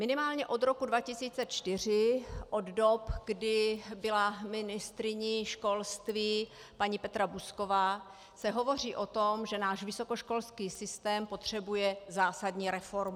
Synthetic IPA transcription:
mɪnɪmaːlɲɛʔo̞d̪ɾokudvacɪsiːt͡sɛt͡ʃt̪ɪr̝ɪʔoddopɡdɪbɪlamɪnɪst̪ɾɪɲiʃko̞lst̪viː | paɲipɛt̪ɾabusko̞vaː | sɛɦo̞vo̞r̝iːʔo̞t̪omʒɛnaːʒvɪso̞koʃko̞lskiːsɪst̪ɛːmpot̪r̝̥ɛbujɛzaːsadɲiːɾɛfoɾmu

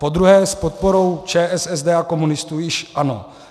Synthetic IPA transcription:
po̞d̪ɾuɦɛːspot̪̚poɾo̞wt͡ʃɛːʔɛsɛzd̪ɛːako̞munɪst̪uːjɪʃʔano̰

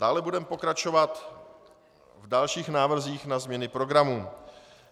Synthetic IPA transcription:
d̥aːlɛbudɛmɛpo̞kɾat͡ʃo̞vat̪ | vdalʃiːxnaːvr̩ziːxnazmɲɛnɪpɾo̞ɡɾamuː

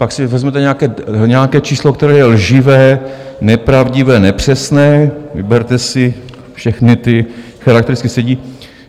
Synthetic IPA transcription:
paksɪvɛzmɛt̪ɛɲɛakɛːɲɛakɛːt͡ʃiːslokt̪ɛɾɛːjɛlʒɪvɛːnɛpɾavɟɪvɛːnɛpr̝̥ɛsnɛːvɪbɛɾt̪ɛsɪ | fʃɛxnɪt̪ɪ | xaɾakt̪ɛɾɪtt͡sskɪsɛɟiː

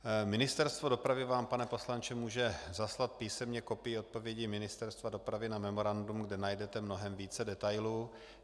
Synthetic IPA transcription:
mɪnɪst̪ɛɾst̪vo̞do̞pɾavɪvaːmpanɛpo̞slant͡ʃɛmuːʒɛzaslat̪̚piːsɛmɲɛko̞pɪjɪo̞t̪̚po̞vjɛɟimɪnɪst̪ɛɾst̪vado̞pɾavɪnamɛmo̞ɾandumɡdɛnajdɛt̪ɛmnoɦɛmviːt͡sɛdɛt̪ajluː

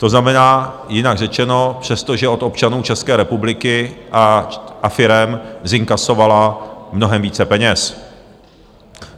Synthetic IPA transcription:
t̪o̞znamɛnaː | jɪnaɡrɛt͡ʃɛno̞pr̝̥ɛst̪oʒɛʔo̞t̪o̞p̚t͡ʃanuːt͡ʃɛskɛːɾɛpublɪkɪaʔafɪɾɛmzɪŋkaso̞valamno̞ɦɛmviːt͡sɛpɛɲɛs

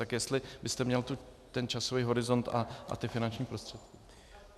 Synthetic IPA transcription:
t̪akjɛst̪lɪbɪst̪ɛmɲɛlt̪u | t̪ɛnt͡ʃasoviːɦo̞ɾɪzo̞nt̪a̰ʔa̰t̪ɪfɪnant͡ʃɲiːpɾost̪r̥ɛt̪kɪ̥

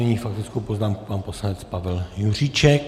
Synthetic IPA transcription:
ɛɲiːfak̚t̪ɪt͡skowpoznaːmku̥panposlanɛt͡spavɛljur̝it͡ʃɛk

